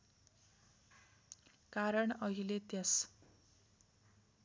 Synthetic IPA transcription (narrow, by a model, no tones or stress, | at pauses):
kaɾʌɳʌɦilet̪jʌs